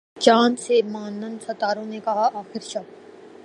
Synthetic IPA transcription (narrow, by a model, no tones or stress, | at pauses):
t͡ʃãːnsemaːnːənsɐt̪aːɾõnekɐɦaʔaːxɪɾʃɐ